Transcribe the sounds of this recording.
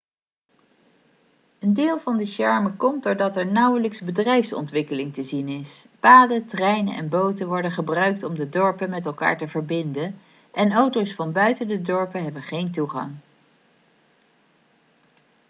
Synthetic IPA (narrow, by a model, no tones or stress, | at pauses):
əndɪːlˠvɑndəsɛɹməkɔm̚dʊɹdɑtɛɹnʌwələksbədrɛjfsɔ̰ntʋɪkəlɪŋtəzinɪspaːdətrɛjnənʔɛ̰nbowtəʋɔɹdənχəbrœɥk̚tɔmdədɔɹpənmɛtɛlˠka̰ːɹtəvəɹbɪndən | ʔɛnowtowsfɑnbœɥtəndədɔɹpəɦɛbənχejntuχɑ̰ŋ